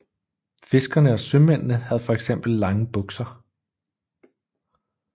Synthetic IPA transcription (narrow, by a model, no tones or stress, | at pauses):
fe̝sɡ̥ɐnəɒ̽sømen̰nəhæð̞ˠfɒ̽eɡ̥sem̰b̥l̩ːɑ̈ŋəb̥ɔ̽ɡ̥sɐ